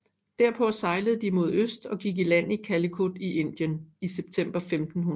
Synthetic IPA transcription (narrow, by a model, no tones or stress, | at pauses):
d̥æɐpʰɒ̽sɑ̈ɪləð̩ˠd̥imo̝ð̞ˠøsd̥ɒ̽ɡ̥iɡ̥ilæn̰ikʰæləkʰud̥iʔe̝n̰d̥jəniseb̥̚t͡sʰem̰b̥ɐfemd̥n̩hun